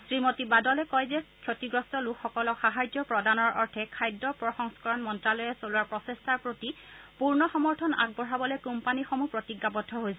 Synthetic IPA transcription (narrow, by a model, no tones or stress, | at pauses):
sɹimotibadɔlɛkɔjzɛkʰjotiɡɹɔstɔlukʰxɔkɔlɔxaɦajzɔpɹɔdanɔɹɔɹtʰɛkʰajdːɔpɹɔxɔŋskɔɹɔnmɔntɹalɔjɛsolwaɹpɹɔsestʰaɹpɹotipuɹnɔxɔmɔɹtʰɔna̰ɡ̚bɔɹabɔlojkumpanixɔmupɹotiɡːapɔtʰːɔɦojsɛ